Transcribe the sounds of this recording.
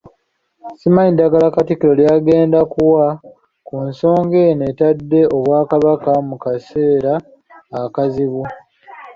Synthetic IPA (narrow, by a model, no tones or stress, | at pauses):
simaidːaɡalakatikiɾo̞ljaːɡe̞ːndakuwa | kunso̞ːŋɡe̞ne̞tadːe̞o̞βwaːkaβakamukase̞ːɾaː | kaziβu